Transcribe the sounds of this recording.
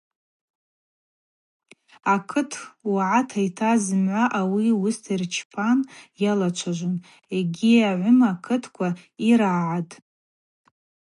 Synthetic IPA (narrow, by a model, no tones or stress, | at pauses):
akʰɨtʰwaʕatʰajtʰazɨmʕʷaʔawiʊstʰirt͡ʃʰpʰanjalat͡ʃʷʰaʒʷʊn | eɡʲiaʕʷʊmakʰɨtʰkʷʰaiɾaʕatʼ